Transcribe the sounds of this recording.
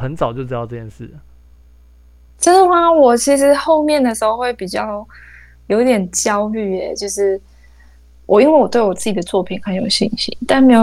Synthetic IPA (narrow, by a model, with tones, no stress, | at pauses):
ə˧˦nt͡sɑ˨˩ʊt͡ɕjo˥˧ʊʈ͡ʂ̩ɻ̩˥˩jɑ˥˧ʈ͡ʂɤ˥˧t͡ɕʰjɛ˥˧nʂɻ̩˥˩ | ʈ͡ʂə˥d̪ə˨˩xa˧wɔ˨˩t͡ɕʰi˧˥ʂɻ̩˧˥xo˥˧ʊmjɛ˥˩nd̪ə˩ʂɻ̩˧˥xo˥˧ʊxwe˥˩ɪpi˨˩t͡ɕjɑ˥˧ʊ | jo˧˥ʊt̪jɛ˨˩nt͡ɕjɑ˥ʊy˥˩ɛ˨˦t͡ɕjo˥˧ʊʂɻ̩˥˩ | wʔɔ˨˩i˥nwe˥˩wɔ˨˩t̪wɪwɔ˨˩t͡sɹ̩˥˩t͡ɕi˨˩d̪ə˦t͡swɔ˥˩pʰi˨˩˦ŋxa˧˥jo˨˩ʊɕḭ˥˩nɕḭ˨˥˦t̪a˥˩nme˧˥jo˨˩